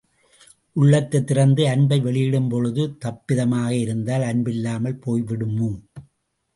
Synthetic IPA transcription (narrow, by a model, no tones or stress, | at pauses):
ʔʊɭːɐt̪ːɐt̪ːɪɾɐnd̪ɯɐnbɐɪʋɛɭɪjɪɽɯmpɔɻɯðɯt̪ɐpːɪðɐmaːɣɐɪɾɯnd̪aːlɐnbɪlːaːmɐlpoːjʋɪɽɯmːu